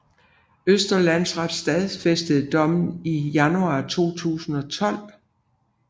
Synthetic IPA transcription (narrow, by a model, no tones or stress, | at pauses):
øsd̥ɐlænsʁad̥sd̥ɛðˠfesd̥əð̩ˠd̥ɒ̽mn̩ijænuɑ̈ːt͡sʰo̝̰ːt͡sʰṵːsn̩ɒ̽t͡sʰɒ̽l̰